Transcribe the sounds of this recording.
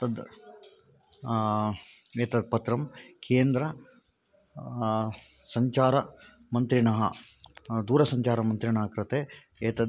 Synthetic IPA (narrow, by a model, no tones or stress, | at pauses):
t̪ɐd̪ | eːt̪ɐd̪̚pɐt̪ɾɐmkʰeːnd̪ɾɐ | sɐɲt͡ʃaːɾɐ | mɐnt̪ɾiɳɐɦɐ̰ | d̪uːɾɐsɐɲt͡ʃaːɾɐmɐnt̪ɾiɳɐːɦɐkɾɐt̪eː | eːt̪ɐd̪